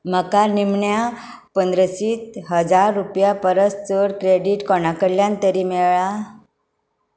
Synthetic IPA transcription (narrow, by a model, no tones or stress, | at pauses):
məkaɾnimɳja | pənd̪ɾəsiːt̪ɦəd͡zaɾːupjapəɾəst͡səɽkɾeɖiʈkɔɳakəɾljãnt̪əɾiːmeɭɭa